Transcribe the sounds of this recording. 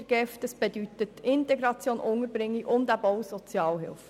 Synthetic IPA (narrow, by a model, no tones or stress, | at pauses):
ɡ̥ɛftəsb̥edyt̪ətɪntɛɡɾɑt͡sjoːnʔʊŋəɾbɾɪŋːiʊnd̪æbowsɔt͡sjɑːlɦɪ̰lf